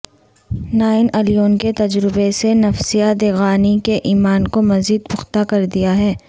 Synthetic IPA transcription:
naːɪnɐlijoːnket̪ɐd͡ʒɾɪbesenɐfsijad̪eɣaːnikeʔiːmaːnkomɐziːd̪pʊxt̪akɐɾd̪ijaɦɛː

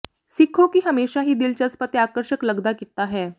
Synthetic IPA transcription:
sikʰokiːɦəmeɕaɦiːd̪ilt͡ɕat͡spət̪eakəɾɕəkləɡd̪akit̪aɦɛ̃

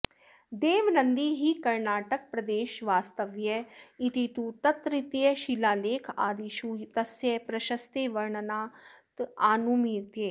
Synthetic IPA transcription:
d̪eːʋnənd̪iɦiːkɐɾnaːʈək̚pɾəd̪eːʃʋaːst̪əʋjɛɪt̪it̪uːt̪ɐt̪ɾɪt̪jɛʃilaːleːkʰa̰ːd̪iʃuːt̪əsjɛpɾəʃəst̪eːʋɐɾɳənaːt̪aːnumiːt̪jeː

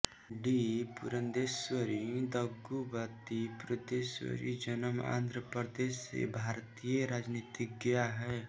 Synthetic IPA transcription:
ɖipuɾə̃nd̪eːswəɾid̪əɡubat̪ipɾəd̪eːswə̰ɾḭd͡ʒənəma̰ːnd̪ɾəpɾəd̪eːssḛbʱaːɾt̪ijeɾaːd͡ʒnit̪ɪk̚ɡɪjaɦɛː

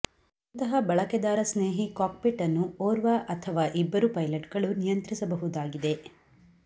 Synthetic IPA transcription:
unt̪ɐɦɐbɐɭɐked̪aːɾɐsneːɦikaːk̚peʈːɐnːuoːɾʋaʔɐt̪ʰɐʋaːʔibːɐɾupɐjlɐʈ̚ɡɐɭunijɐnt̪ɾisɐbɐɦud̪aːɡid̪e̞

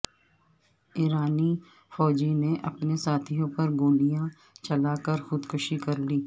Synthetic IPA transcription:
iːɾaːni | fɔːd͡ʒineʔɐpnesaːt̪ʰijõpɐɾɡoːlijã | t͡ʃɐlaːkɐɾxʊd̪kʊʃikɐɾliː

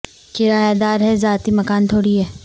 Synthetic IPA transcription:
kɪɾaːjad̪aːɾɦɛzaːt̪imɐkaːnt̪ʰoːɽiɦɛː

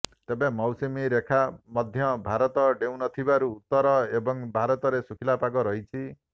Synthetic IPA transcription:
t̪ebemɔwsimiɾekʰamɔd̪ʱjɔbʱaɾɔt̪ɔɖew̃nɔt̪ʰibaɾuːt̪ːɔɾɔebɔŋbʱaɾɔt̪ɔɾesukʰilapaɡɔɾɔɦit͡ʃʰi

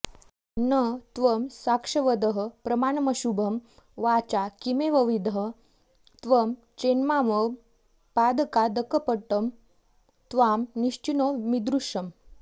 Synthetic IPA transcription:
nət̪ʋəmsakʂəʋəd̪əɦəpɾəmaɳməɕubʱəm | ʋat͡ɕakimeʋəʋid̪ʱə | t̪ʋəm | t͡ɕenmaʋə | pad̪kad̪əkəpəʈəm | t̪ʋamniʂt͡ɕinəmid̪ɾuʂəm

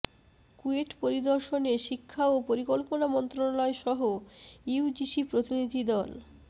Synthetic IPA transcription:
kueʈpoɾid̪oɾʃoneʃikʰːaopoɾikolponamɔnt̪ɾonalɔeʃɔɦoiud͡ʑiʃipɾot̪inid̪ʱid̪ɔl

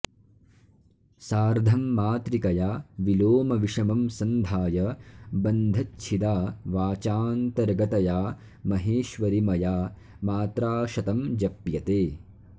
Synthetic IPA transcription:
saːɾd̪ʱɐmːaːt̪ɾikɐjaːʋiloːmɐʋiʂɐmɐmsɐnd̪ʱaːjɐbɐnd̪ʱɐtːt͡ʃʰid̪aːʋaːt͡ʃaːnt̪ɐɾɡɐt̪ɐjaː | mɐɦeːʃʋɐɾimɐjaː | maːt̪ɾaːʃɐt̪ɐmd͡ʒɐpjɐt̪eː

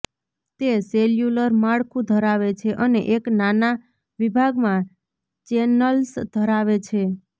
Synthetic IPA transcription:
t̪eseljuləɾmaɭkʰũd̪ʱəɾaʋet͡ʃʰeʔənḛʔeknana | ʋibʱaɡmã | t͡ʃenəlsd̪ʱəɾaʋet͡ʃʰe

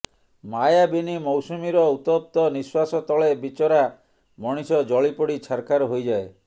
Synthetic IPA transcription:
majabinimɔwsumiɾɔut̪ɔp̚t̪ɔniswasɔt̪ɔɭebit͡ʃɔɾa | mɔɽ̃isɔd͡ʒɔɭipoɽit͡ʃʰaɾkʰaɾɔɦojd͡ʒae

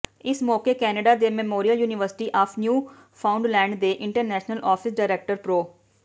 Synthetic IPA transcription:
ɪsmɔːkeːkɛːneɖaːd̪eːmɛmoːɾijəljuːnɪʋəɾsɪ̥ʈiːʔaːpʰnjuː | pʰaːʊ̃ɳɖlɛ̃ːɳɖd̪eːʔɪ̃ɳʈəɾnɛːʃnəlʔɔːpʰɪsɖaːɪɾɛːk̚ʈəɾpɾoː

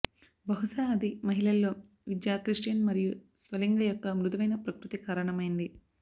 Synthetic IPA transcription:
bɐɦuʂaːɐd̪imɐɦilɐlːo̞ː | ʋid̪jaːkɾiʂʈijɐnmɐɾijusʋɐliŋɡɐjɔkːɐmɾud̪ɐʋɐjnɐpɾɐkɾut̪ikaːɾɐɳɐmɐjind̪i

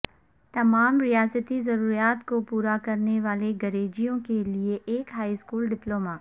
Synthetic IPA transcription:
t̪ɐmaːmɾɪjaːzət̪izɐɾuːɾijaːt̪kopuːɾakɐɾneʋaːleɡɐɾeːd͡ʒijõkelieʔeːkɦaːiskuːlɖɪploːmaː

